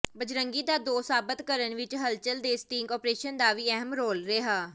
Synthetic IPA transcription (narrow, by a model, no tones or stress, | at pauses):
bəd͡ʒɾəŋɡiːd̪aːd̪oːsaːbət̪kəɾənʋɪt͡ʃɦəlt͡ʃəld̪eːst̪iːŋkɔːpɾeːʃənd̪aːʋiːɛɦəmɾoːlɾeːɦaː